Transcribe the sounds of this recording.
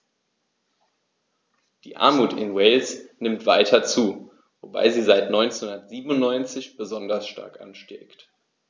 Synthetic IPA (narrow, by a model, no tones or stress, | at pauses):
d̥ḭːʔa̰ɐmuːtɪ̰nwɛɪlsnɪmtv̥aɪtʰɐt͡suː | voba̰ɪziːzaɪtnɔʏnt͡snhʊndɐtz̥iːbn̩ʊnnːɔʏnt͡sɪçb̥əzɔndɐsʃta̰ɐkʔa̰nʃtɛ̰ːkt